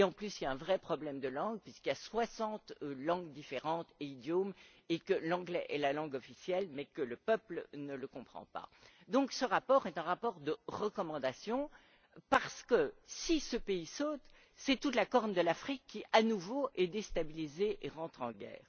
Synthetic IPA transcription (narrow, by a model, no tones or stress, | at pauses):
eɑ̃plysiljaɛ̃vʁɛpχɔblɛmd̪əlɑ̃ɡpɥiskiljaswasɑ̃t̪lɑ̃ɡd̪ifeʁɑ̃t̪eid̪jom | ekəlɑ̃ɡlɛʔɛlalɑ̃ɡɔfisjɛlmɛkələpœplənələkɔ̃pχɑ̰̃pa̰d̪ɔ̃ksəʁapɔʁɛt̪ɛ̃ʁapɔʁd̪əʁəkɔmɑ̃d̪asjɔ̃ | paʁsə̥kəsisəpeisoːt̪ | sɛt̪ut̪lakɔʁnd̪əlafχikːiʔanuvoʔɛd̪est̪abilizeʔeʁɑ̃t̪χɑ̃ɡɛ̰ːʁ